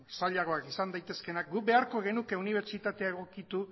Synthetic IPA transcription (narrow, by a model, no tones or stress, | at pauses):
saʎaɣ̞o̞akisand̪ajt̪e̞ske̞nak̚ɡube̞aɾko̞ɣ̞e̞nuke̞uniβ̞e̞ɾt͡ʃit̪at̪e̞aeɣ̞o̞kit̪u